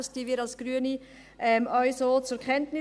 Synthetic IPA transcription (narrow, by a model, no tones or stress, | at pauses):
stiviɾɑlsɡ̥ɾyəni | ʔɛmʔɔʏsoːt͡suɾkʰχɛntnɪ